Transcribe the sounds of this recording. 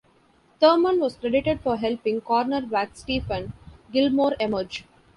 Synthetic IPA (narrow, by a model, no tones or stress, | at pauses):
t̪əɾmə̃nʋɔːskɾeɖɪʈeɖfɔɾɦɛlpɪ̃ŋɡkɔːɾnəɾʋæːksʈiːfə̃nɡɪlmoːɾeməɾd͡ʒ